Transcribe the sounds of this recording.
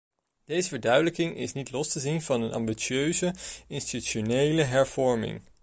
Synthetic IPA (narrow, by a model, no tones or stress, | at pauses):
d̥ejzəvəɹdœɥdələkɪŋɪ̰snitlɔstəzinvɑnənɑ̰mbit͡ʃøɥzəɪnstityʃonejləɦɛɹv̥ɔɹmɪ̰ŋ